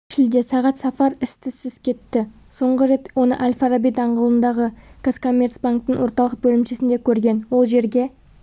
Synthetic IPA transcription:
ʃɪld̪e̞sɑʁɑt̪sɑfɑɾɪst̪ʰɪst̪ʏskʲʰe̞t̪ːɪso̞ɴʁəɾe̞t̪wo̞nə̰ʔalʲfaɾabijt̪ɑɴʁəlˠənd̪ɑʁəkosko̞mʲːe̞ɾt̪sbaŋk̚t̪əɴwo̞ɾt̪ɑlˠəq̚bɵlɪmʃesɪnd̪ekʲʰɵɾɡʲe̞nwo̞lˠʒe̞ɾɡʲe̞

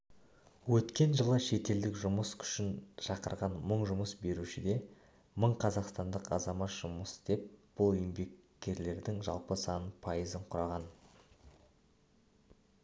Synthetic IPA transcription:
wɵt̪kʲe̞nʒəlˠəʃe̞t̪e̞ld̪ɪkʒʊməskʲʰʏ̥ʃɪnʃɑqəɾʁɑnməɴʒʊməsbe̞ɾuʃɪd̪e̞ | məɴqʰɑzɑqst̪ɑnd̪əqɑ̰zɑmɑt̪ʒ̥ʊməsd̪̥e̞p̚b̥ʊlˠʏjɪmbe̞kʲːe̞ɾle̞ɾd̪ɪŋʒɑ̰lˠpəsɑnəpʰɑjəzəɴqʰʊɾɑʁɑn

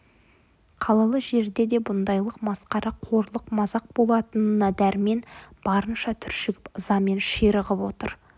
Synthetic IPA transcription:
qʰɑlˠɑlˠəʒe̞ɾd̪e̞d̪e̞bʊnd̪ɑjlˠəqmɑsqɑɾɑqʰo̞ɾlˠəqmɑzɑq̚bo̞lˠɑt̪ənənɑd̪æɾme̞nb̥ɑɾənʃɑt̪ʰʏɾʃɪɡʲɪpəzɑme̞nʃiɾəʁəpwo̞t̪ə̰ɾ

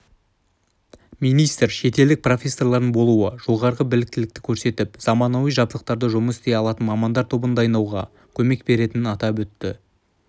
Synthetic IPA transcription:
mijnijst̪ɾʃe̞t̪e̞ld̪ɪk̚pro̞fʲe̞sːo̞rlˠɑɾd̪əbo̞lˠuəʒ̥o̞ʁɑɾʁəbɪlɪk̚t̪ɪlɪk̚t̪ɪ̥kʲʰɵɾse̞t̪ɪpz̥ɑmɑnɑwijʒɑblˠəq̚t̪ɑɾd̪əʒʊməsɪ̥st̪e̞jɑlˠɑt̪ənmɑmɑnd̪ɑɾt̪ʰo̞bənd̪ɑːjnɑwʁɑ̰ | kʲʰɵme̞kbe̞ɾe̞t̪ɪnɪnɑt̪ɑpwɵt̪ːɪ

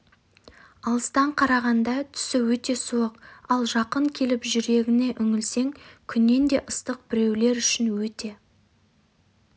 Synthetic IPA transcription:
ɑlˠəst̪ɑɴqʰɑɾɑʁɑnd̪ɑt̪ʰʏ̥sɪwɵt̪e̞suəqɑlˠʒɑqəɴkʲʰe̞lɪpʒʏɾe̞ɡʲɪne̞ʔʏŋɪlse̞ŋkʲʰʏnːe̞nd̪e̞ʔəst̪əq̚bɪɾe̞wle̞ɾʏʃɪnwɵt̪e̞

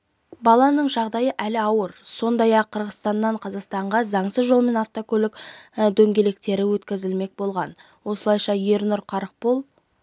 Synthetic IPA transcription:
bɑlˠɑnəɴʒɑʁd̪ɑjəʔælɪɑwəɾso̞nd̪ɑjɑqʰːəɾʁəst̪ɑnːɑɴqʰɑzɑqst̪ɑɴʁɑzɑɴsəzʒo̞lˠme̞nɑft̪okʰʲɵlɪkd̪ɵŋɡʲe̞le̞k̚t̪e̞ɾɪwɵt̪kʲɪzɪlme̞k̚bo̞lˠʁɑn | wo̞səlˠɑjʃɑje̞ɾnʊɾqʰɑɾəq̚polˠ

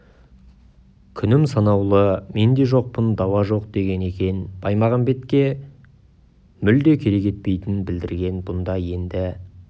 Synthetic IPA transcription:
kʲʰʏnɪmsɑnɑwlˠəme̞nd̪e̞ʒo̞q̚pənd̪ɑwɑʒo̞q̚d̪e̞ɡʲe̞ne̞kʲe̞nb̥ɑjmɑʁɑnbe̞t̪kʲe̞ | mʏld̪e̞kʲʰe̞ɾe̞kʲʰe̞t̪̚pe̞jt̪ɪnbɪld̪ɪɾɡʲe̞nbʊnd̪ɑje̞nd̪ɪ

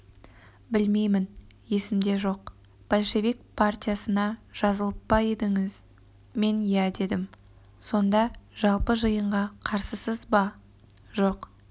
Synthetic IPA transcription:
bɪlme̞jmɪn | je̞sɪmd̪e̞ʒo̞q | b̥alʲʃe̞βik̚pʰart̪ʲijasənɑʒ̥ɑzəlˠəp̚bɑe̞d̪ɪŋɪz | me̞njæd̪e̞d̪ɪm | so̞nd̪ɑʒɑlˠpəʒəjəɴʁɑqʰɑɾsəsəzbɑ | ʒo̞q

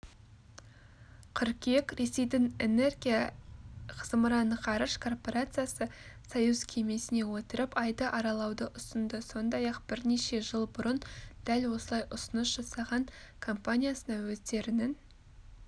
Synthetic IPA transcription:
qʰʏɾkʲekʲɾe̞se̞jd̪ɪŋe̞ne̞rɡʲija | qʰəzməɾɑnəqʰɑɾəʃkʰo̞rpo̞ɾat̪sɨjasəsojuzkʲʰe̞me̞sɪne̞wot̪əɾəpɑjd̪əʔɑɾɑlˠɑwd̪əʔʊst̪ənd̪əso̞nd̪ɑjɑqb̥ɪɾne̞ʃe̞ʒəlˠbʊɾənd̪̥ælwo̞səlˠɑjʔʊsənəsʒ̥ɑsɑʁɑŋ | kʰo̞mpanʲijasənɑwɵt̪e̞ɾɪnɪn

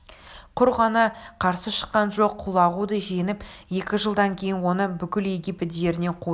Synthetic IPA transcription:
qʰʊɾʁɑnɑqʰɑɾsəʃə̥qːɑnʒo̞qʰːulˠɑʁud̪əʒe̞nɪpje̞kʲɪʒəlˠd̪ɑŋkʲʰe̞jɪnwo̞nəbʏkʲɪle̞ɡʲijpɪt̪j̪e̞ɾɪne̞qʰu

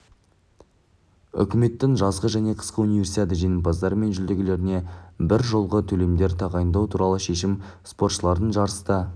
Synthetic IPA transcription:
ʏ̰kʲɪme̞t̪ːɪŋʒɑzʁəʒæne̞qʰə̥sqəunivʲe̞rsit̪ʲet̪̬ɪʒenɪmpɑzd̪ɑɾəme̞nʒʏld̪e̞ɡʲɪle̞ɾɪne̞bɪɾʒo̞lˠʁət̪ʰɵle̞md̪e̞ɾt̪ʰɑʁɑjənd̪ɑwt̪ʰuɾɑlˠəʃe̞ʃɪmspo̞ɾt̪ʃəlˠɑɾd̪əɴʒɑɾəst̪ə

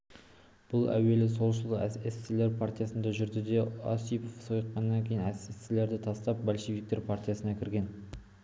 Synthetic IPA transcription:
b̥ʊlˠæ̰we̞lɪso̞lˠʃ̬əlˠəesɪleɾpʰart̪ijasənd̪ɑʒʏɾd̪ɪd̪e̞o̰sijpofsojəqqːɑnːɑŋkʲʰe̞jɪnæsest̪ɪle̞ɾd̪ɪt̪ʰɑst̪ɑp̚bolʃevʲik̚t̪e̞ɾpʰart̪ijasənɑkʲʰɪɾɡʲe̞n

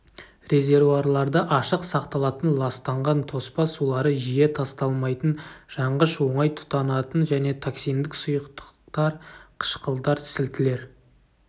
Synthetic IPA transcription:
re̞zʲe̞ɾvuaɾlˠɑɾd̪əʔɑʃəqsɑqt̪ɑlˠɑt̪ənlˠɑst̪ɑɴʁɑnt̪ʰo̞spɑsulˠɑɾəʒije̞t̪ʰɑst̪ɑlˠmɑjt̪ənʒ̥ɑɴʁəʃwo̞ɴɑjt̪ʰʊ̥t̪ɑnɑt̪ənʒæne̞t̪ʰaksijnd̪ɪksʊjəqt̪ə̥qt̪ɑɾqʰə̥ʃqəlˠd̪ɑɾsɪlt̪ɪle̞ɾ

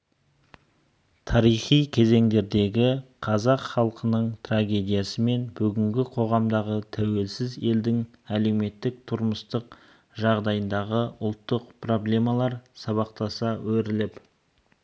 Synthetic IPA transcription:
t̪ʰɑɾijχijkʲʰe̞ze̞ŋd̪e̞ɾd̪e̞ɡʲɪqʰɑzɑqχɑlˠqənəɴt̪ʰraɡʲe̞d̪ijasəme̞nbʏɡʲɪŋɡʲɪqʰo̞ʁɑmd̪ɑʁət̪ʰæwe̞lsɪze̞ld̪ɪŋ | æle̞wme̞t̪ːɪk̚t̪ʰʊɾməst̪əq̚ | ʒɑʁd̪ɑjənd̪ɑʁəʔʊlˠt̪ːəq̚pro̞blʲe̞mɑlˠɑɾsɑβɑq̚t̪ɑsɑwɵɾɪlɪp

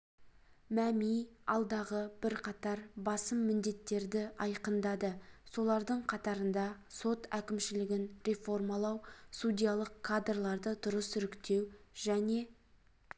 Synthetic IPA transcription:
mæmijɑlˠd̪ɑʁəbɪɾqʰɑt̪ɑɾbɑsəmːɪnd̪e̞t̪ːe̞ɾd̪ɪɑjqənd̪ɑd̪əso̞lˠɑɾd̪əɴqʰɑt̪ɑɾənd̪ɑso̞t̪ækʲɪmʃɪlɪɡʲɪnɾe̞fo̞rmɑlˠɑwsud̪ʲijalˠəqkʰad̪rlˠɑɾd̪əd̪ʊɾəsʏɾɪkt̪e̞wʒ̥æne̞

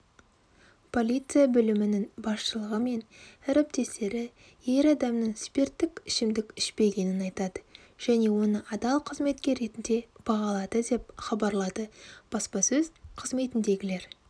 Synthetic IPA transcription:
pʰo̞lʲijt̪sɨjabʏlɪmɪnɪŋbɑsʃəlˠəʁəme̞næɾɪp̚t̪e̞st̪e̞ɾɪ | je̞ɾɑd̪ɑmnəɴspʲe̞rt̪ːɪkʲɪʃɪmd̪ɪkʲɪʃpe̞ɡʲe̞nɪnɑjt̪ɑd̪ə | ʒ̥æne̞wo̞nəʔɑd̪ɑlˠqʰəzme̞t̪̚kʲe̞ɾe̞t̪ɪnd̪e̞b̥ɑʁɑlˠɑd̪əd̪e̞p̚χɑbɑɾlˠɑd̪əb̥ɑspɑsɵzqʰəzme̞t̪ɪnd̪e̞ɡʲɪle̞ɾ

